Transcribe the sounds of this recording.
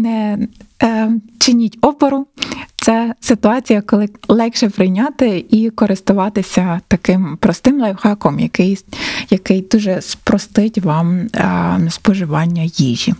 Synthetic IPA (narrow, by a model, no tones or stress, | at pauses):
nɛ | t͡ʃɪnʲitʲɔpɔɾʊt̪sɛsɪt̪ʊɑt͡sʲijɐkɔlˠɪlˠɛkʃɛpɾɪjnʲɑt̪ɪikɔɾɪst̪ʊʋɑt̪ɪsʲɐt̪ɐkɪmpɾɔst̪ɪmlˠɛjwxɑkɔmjɐkɪjjɐkɪjd̪uʒɛspɾɔst̪ɪtʲʋɑm | spɔʒɪʋɑnʲːɐjiʒʲḭ